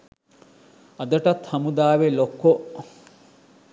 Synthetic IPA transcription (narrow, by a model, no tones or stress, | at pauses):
ɐd̪əʈat̪hɐmud̪aːʋelokːo